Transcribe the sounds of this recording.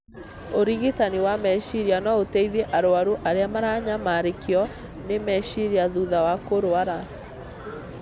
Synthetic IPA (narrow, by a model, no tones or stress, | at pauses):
oɾiɣitaniwamɛɕiɾianɔotɛiðeʔaɾoaɾuʔaɾeamaɾaːɲamaɾekeɔ | nemɛʃiɾiaðuðawakoɾoaɾa